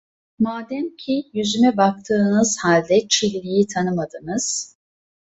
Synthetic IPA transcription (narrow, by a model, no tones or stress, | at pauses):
maːd̪æmcʰijyzymɛbak̚t̪ʰɯːnɯz̥halʲd̪ɛt͡ʃʰilʲlʲijit̪ʰanɯmad̪ɯnɯz̥